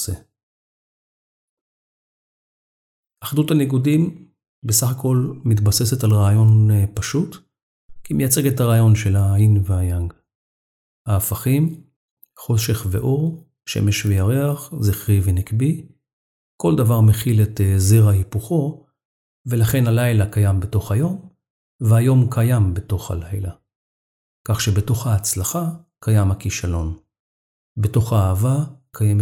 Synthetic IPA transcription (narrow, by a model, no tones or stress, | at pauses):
se | ʔaχduthaniɡudim | besaχako̞lmitbase̞se̞talʁaːjo̞npaʃut | kimejat͡se̞ɡethaʁaːjo̞nʃe̞lainveajaŋɡ | haːfaχim | χo̞ʃe̞χve̞̰ʔo̞ʁ | ʃḛme̞ʃvejaʁeaχziχʁivenikbi | ko̞ldavaʁmeχiletezeʁahipuχo̞ | velaχe̞nhalajlakajambeto̞χhajo̞m | veajo̞mkʰajambe̞to̞χha̰lajla | kaχʃebe̞to̞χhaːt͡slaχa | kajamhakiʃalo̞n | be̞to̞χaːvakʰajeme